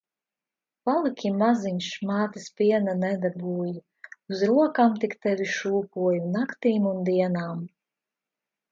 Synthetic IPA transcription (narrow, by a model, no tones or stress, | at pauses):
palˠikʲʰimaziɲʲʃmaːt̪ispʲiɛnanɛd̪abuːju | uzɾuɔkamt̪ikt̪ɛvʲiʃuːpuɔjunakt̪iːmund̪iɛnaːm